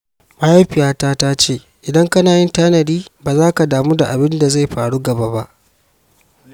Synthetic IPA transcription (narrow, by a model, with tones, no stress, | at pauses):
maː˦ja˦ɸɪ˨jaː˦taː˦taː˦t͡ʃeː˦˨ | ʔɪ˨dɐ˦ŋkɐ˦naː˨jɪ˦ntaː˦nɐ˨diː˦baː˨zaː˦ka˨daː˨muː˦da˨ʔa˨bɪ˦nda˨za˦˨jɸaː˨ɽu˦ɡɐ˨ba˦ba˦ʔ